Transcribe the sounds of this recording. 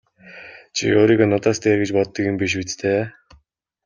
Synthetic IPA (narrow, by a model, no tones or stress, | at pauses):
t͡ɕʰḭoːɾiːɣanʊt̪ɔːst̪eːrɡĕt͡ɕpɔt̪ːə̆kjʊ̆mpiʃ̬ut͡st̪ʰeː